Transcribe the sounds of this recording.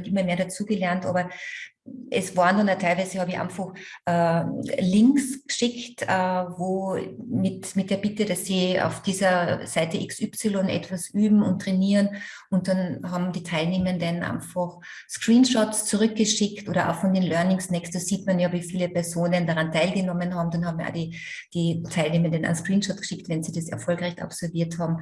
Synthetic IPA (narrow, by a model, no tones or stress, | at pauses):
nʔɪmɐmeːɐɾat͡suːɡəlɛɐntʔɑ̰ːbɐ | ʔɛsv̥aːəndanatʰaɪlvaæɪzəhɑːbɪçʔa̰ɪnfɔxʔɛːlɪŋksɡ̥ʃɪktɛvoːmɪtmɪt̚d̥eːɐbɪtəɾasːiːa̰ʊfd̥iːzɐsaɪtəʔɪksʏpsɪlɔnʔɛ̰tv̥asʔyːbm̩ʊ̰nt̚ːʁ̥ɛniːʁən | ʊnt̚d̥anɦɑːbm̩diːtʰaɪlneːməndɛnʔa̰ɪnfɔχ | skʁ̥iːnʃɔtst͡suʁʏk̚ɡ̥əʃɪktʔoːɾɐʔa̰ʊxfɔndeːnlœɐnɪŋsnɛksdɑz̥iːtmanjaːviːfiːləpʰɛɐzoːnəndaʁantʰaɪlɡənɔmənɦɑːbm̩danhɑːbm̩ʔa̰ːdi | d̥iːtʰaɪlneːməndəna̰nskʁ̥iːnʃɔtɡ̥ʃɪktvɛnziːdɐsɛɐfɔlkʁaɪçta̰psɔɐviːɐthɑːbm̩